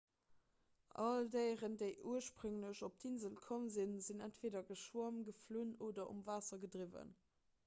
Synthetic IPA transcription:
ʔɑldəɪʁəndəɪʔuɐʃpʁɵŋləɕop̚d̥inzəlkʰomzinzinæntv̥eːdɐɡəʃwuɐmɡəfluːnoːdɐʔṵmvaːsɐɡədʁivə̰n

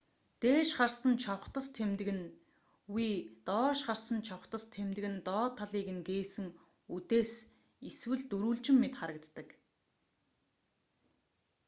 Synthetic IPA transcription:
t̪eːʃχarsə̆nt͡ɕʰɔχt̪ə̆st̪ʰemt̪ɘ̆ɣɘ̆n | wiːt̪ɔːʃχarsə̆nt͡ɕʰɔwχt̪ə̆st̪ʰemt̪ɘ̆ɣɘ̆nt̪ɔːt̪ʰːaɮiːkɘ̆ŋɡeːsɘ̆ŋ | ut̪eːs | iswɘ̆ɮt̪uɾuːɮt͡ɕɪ̆mːet̪χaɾə̆kt̪ːə̆k

